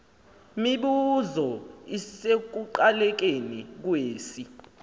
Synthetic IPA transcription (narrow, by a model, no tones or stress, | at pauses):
miɓuzɔisek̬uǃalɛk̬enik̬weːsi